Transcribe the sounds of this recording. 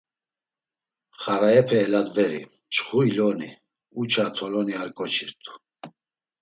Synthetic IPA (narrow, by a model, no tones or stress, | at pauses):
χaɾaɛpʰɛːlad̪vɛɾḭ | t͡ʃχuilɔni | ut͡ʃʰat̪ʰɔlɔniaɾkʼɔt͡ʃʰiɾt̪ʼu̥